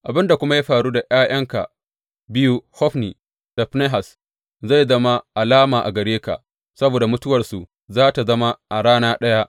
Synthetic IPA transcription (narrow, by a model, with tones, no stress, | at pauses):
ʔa˨bɪ˦nda˨kʷʊ˦ma˦ja˦ɸaː˨ɽuː˦da˨ʔj̰aː˦jɐ˦ŋka̰˨ | bɪ˦ju˦hɔ˦ɸniː˨ | d̥a˨ɸne˦ɦa˨s | za˦˨jzɐ˦ma˦ʔa˨laː˦maː˨ʔa̰˨ɡɐ˨ɽeː˦ka̰˨ʔ | sɐ˦boː˨da˨mʊ˦tʊ˦wɐ˨rsu˨ | zaː˦ta˨zɐ˦ma˦ʔa˨ɽaː˦naː˦ɗɐ˦ja˦ʔ